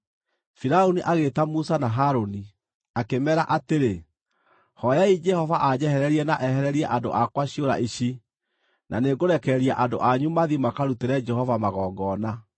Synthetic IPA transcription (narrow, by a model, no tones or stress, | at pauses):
fiɾaoniʔaɣetamusanaɦaɾoni | akemɛɾaʔateɾe | hɔjaid͡ʒɛhɔvaʔad͡ʑɛhɛɾɛɾiɛnaʔɛhɛɾɛɾiɛʔando̰ʔakwaɕioɾa̰ʔiɕi | na̰neɡoɾɛkɛɾiaʔandoʔaɲumaðimakaɾuteɾɛd͡ʒɛhɔvamaɣɔːɡɔna